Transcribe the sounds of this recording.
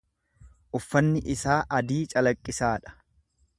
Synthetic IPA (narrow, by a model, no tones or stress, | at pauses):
ʔʊfːɐnːɪʔɪsaːʔɐd̪iːt͡ʃʼɐlɐkʼːɪsaːᶑɐ̥